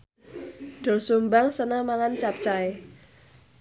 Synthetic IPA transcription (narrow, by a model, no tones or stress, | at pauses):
ɖ̪̥ɔ̤lsumbaŋsənamaŋant͡ʃap̚t͡ʃae